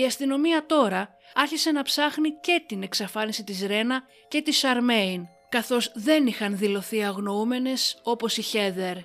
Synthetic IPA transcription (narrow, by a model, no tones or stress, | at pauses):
iɐst̪ino̞miɐt̪o̞ɾɐ | ɐɾçise̞nɐpsɐxnice̞t̪ine̞ksɐfɐnisit̪izɾe̞nɐ | ce̞t̪isɐɾmein | kɐθo̞zðe̞nixɐnðilo̞θiɐɣno̞ume̞ne̞so̞po̞siçe̞ðe̞ɾ